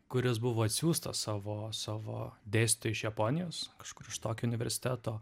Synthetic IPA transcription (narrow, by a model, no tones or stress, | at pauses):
kʊɾʲɪsbʊʋoːɐt̪ʲsʲuːst̪ɐ̰ssɑːʋoːsɑːʋo̰ːd̪ʲeːst̪ʲt̪oːjɪʃjɛpoːnʲɪjoːskɐ̥ʃkʊɾɪʃt̪oːkʲoʊnʲɪʋʲɛ̰ɾʲsʲɪ̥t̪ʲæːt̪oː